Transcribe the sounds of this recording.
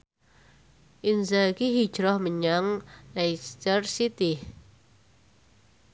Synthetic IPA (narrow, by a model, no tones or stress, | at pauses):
ʔinsakiɦi̥ʒ̥ɾɔhməɲaŋnajst̪ərsit̪ɪh